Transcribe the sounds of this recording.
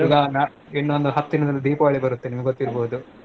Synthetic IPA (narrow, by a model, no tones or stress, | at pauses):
uɡɐnaː | enːond̪uɦɐt̪ːinɐd̪ɐlːuɖ̪iːpɐʋaːɭibɐɾut̪ːenimɐɡeɡot̪ːiɾboːud̪u